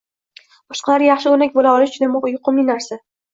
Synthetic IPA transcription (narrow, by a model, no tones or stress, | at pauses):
b̥ɒʃqɑlaɾjɑχʃɪonakʲbolaɒlɪt͡ʃʰʊd̪amjʊqɨminaɾsa